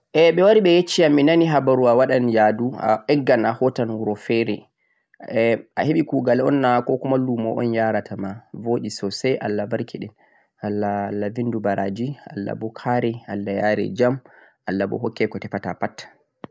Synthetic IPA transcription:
ʔɛɓɛwaɾiɓɛjet͡ʃːiaminaniɦabaɾuawaɗanjadua̰ʔɛɡːanahɔtanwuɾɔfɛɾɛ | ɛʔa̰heɓikuːɡalɔnːakɔkɔmalːumɔʔɔ̰njaɾatʰamavoːɗisɔsɛjʔa̰lːabaɾkʰiɗɛn | alːalːavindubaɾad͡ʒia̰lːa̰bɔkʰaɾɛalːajaːɾɛ̰d͡ʒam | ʔalːabɔ̰ɦɔkːɛkɔtɛfatapatːḁ

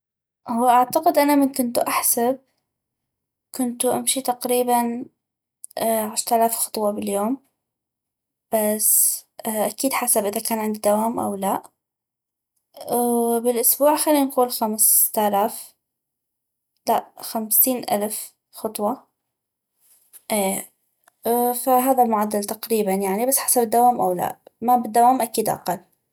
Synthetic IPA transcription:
hʊwːaʔaʕt̪aqɪd̪ʔanamɪnkʊnt̪uʔaħsab̚ | kʊnt̪uʔa̰mʃit̪aqɾiːban | ʕɪʃɾt̪alaːfxɑ̥t̪ˤwɑbɪljoːm | b̥as | ʔakiːd̪ħasabʔɪðakaːnʕɪnd̪id̪awaːmʔa̰wlaʔ | bɪlʔʊsbuːʕxalːiːnquːlxamst̪alaːf | laʔxamsiːnʔa̰lf | xɑt̪ˤwɑ | ʔeː | faɦaːðalmʊʕad̪ːalt̪aqɾiːbanjaʕnibasːħḁsabɪd̪ːawaːmʔawla̰ʔmabɪd̪ːawaːmʔakiːd̪ʔa̰qɑlː

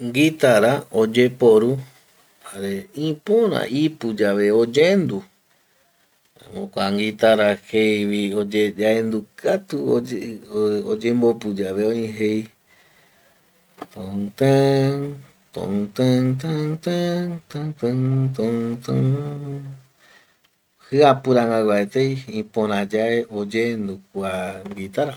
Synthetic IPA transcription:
ŋɡit̪aɾaod͡ʒepoɾu | haɾeĩpõɾ̃ã̰ʔipud͡ʒaʋeod͡ʒend̪u | mõkʷaŋɡit̪aɾahejʋiod͡ʒed͡ʒaend̪ukʰat̪u | od͡ʒẽmbopud͡ʒaʋeõĩɦej | t̪õt̪ẽ | t̪õ̰t̪et̪at̪et̪ẽt̪et̪ot̪õ | hɨapɨɾãŋɡawaet̪ejĩpõɾ̃ãd͡ʒaeʔod͡ʒend̪ukʷaŋɡit̪aɾa

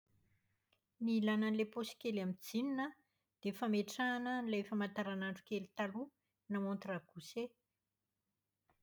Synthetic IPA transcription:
nilananleposi̥kʲelamid͡zininə | d̪̥efameʈ͡ʂanənilefamant̪aɾanaɳɖ͡ʐu̥kelit̪alu | namõnt̪raɡ̥use

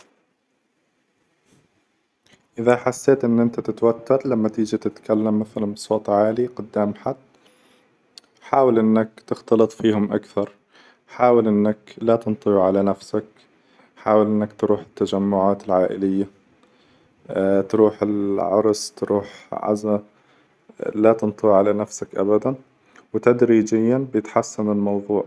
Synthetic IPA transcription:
ʔɪðaħasːeːt̪ʔɪnːʔɪnt̪at̪ɪt̪wat̪ːɑɾlamːat̪iːd͡ʒat̪ɪt̪kalːamːɪθalanbsˤoːt̪ˤʕaːliqʊd̪ːaːmħad̪ | ħaːwalʔɪnːakt̪ɪxt̪ɑlɨt̪ˤfiːhʊmʔakθɑɾˤ | ħaːwɪlʔɪnːaklat̪ɨnt̪ˤɨwʕalanafsak | ħaːwɪlʔɪnːakt̪ɾuːħɪ̥t̪ːad͡ʒamːʊʕaːt̪ɪlʕaːʔɪlɪjːa | t̪ɾuːħɪlʕɑ̰ɾˤst̪ɾuːħʕa̰za | lat̪ɨnt̪ˤɨwʕalanafsakʔa̰bad̪an | wɪt̪ad̪ɾiːd͡ʒɪjːanbjɪt̪ħasːanɪlmɑwðˤuːʕ

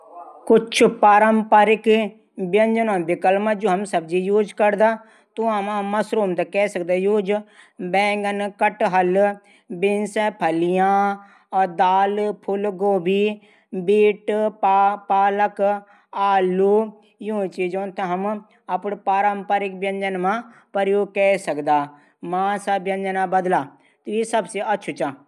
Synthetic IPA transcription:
kʊt͡ʃʰpaːɾəmpaːɾɪk | bjənd͡ʒənõːbɪkəlmad͡ʒoːɦəmsəbd͡ʒiːjuːd͡ʒkəɾd̪aː | t̪uãːmãːməsɾoːmd̪aːkɛːsəkd̪aːjuːd͡ʒbɛ̃ːŋɡənkəʈɦəl | bɪnsɛːpʰəlijãː | d̪aːlpʰʊlɡoːbiː | biːʈpːpaːlək | aːluː | jũːt͡ʃiːd͡ʒõːnt̪aɦəm | əpɳpaːɾəmpəɾɪk̚bjənd͡ʒənmãː | pəɾjoːkɛːsəkd̪aː | mãːsaːbjənd͡ʒənãːbəd̪laː | t̪eisəbseətːʃʰuːt͡ʃãː

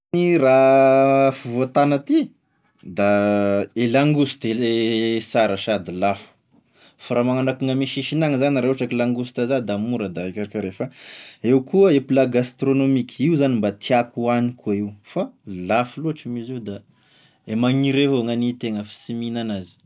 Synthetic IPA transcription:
ira | fuvoat̪anat̪i | d̪aelaŋɡusi̥t̪e | saɾaʃad̪ilafu̥ | faɾamaŋanakuŋəmiʃiʃinaŋizanɾaaʈ͡ʂakilaŋɡust̪azad̪amuɾəd̪aakʲaɾakʲaɾefəewkuəepilaɡast̪ronomikʲiuzanimbat̪ʰiakuanikʰuaiwfalafuluaʈ͡ʂimiziud̪a | emaŋiɾeɦoaŋanit̪eŋəfi̥siminanazi̥

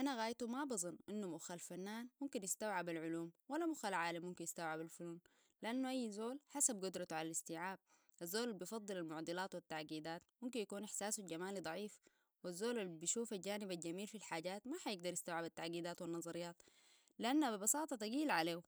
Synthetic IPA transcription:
ʔanaɣaːjt̪umabɨzˤɨnːʔɪnːumʊʔxalfanːaːnmʊmkinjɪst̪awʕabalʕʊluːmwalːamʊxalʕaːlamːʊmkinjɪst̪awʕabalfʊluːn | lʔanːuʔajːzoːlħasab̚ɡʊd̪ɾˤɑt̪uʕalalɪst̪iːʕaːb̚ | ʔazːoːlalbijfɑd̪ˤːɨlalmʊʕd̪ˤɨlaːt̪wit̪ːaʕɡiːd̪aːt̪mʊmkinjakuːnɪħsaːsuɟamaːlid̪ˤɑʕiːf | wazːoːlalbiʃuːfalɟaːnibalɟamiːlfilħaːɟaːt̪maħajɪɡ̚d̪ɑɾˤjɪst̪awʕabat̪ːaʕɡiːd̪aːt̪winːɑzˤɑɾɪjːɑːt̪ | lɪʔanːabibɑsɑːt̪ˤɑt̪aɡiːlʕaleː

